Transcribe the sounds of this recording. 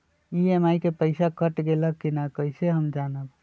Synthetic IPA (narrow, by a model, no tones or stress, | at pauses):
iemaːikepəɪsakəʈɡeləkːinakəɪseɦəmd͡ʒaːnək